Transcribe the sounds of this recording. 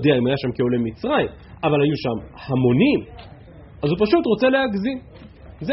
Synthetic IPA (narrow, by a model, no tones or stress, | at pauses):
d̪eaimhajaʃamkeolemit͡sʁaim | avalhajuʃamhamo̞nim | azupaʃutʁo̞t͡se̞le̞haɡzi | z